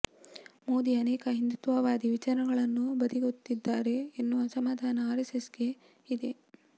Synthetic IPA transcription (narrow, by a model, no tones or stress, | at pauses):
moːd̪iɐnɛːkɐɦind̪ut̪ʋɐʋaːd̪iʋit͡ʃaːɾɐɡɐɭɐnːubɐd̪iɡot̪ːid̪ːaːɾe̞ːnːuɐsɐmaːd̪ʱaːnɐaːɾɐsesɡe̞ | id̪e̞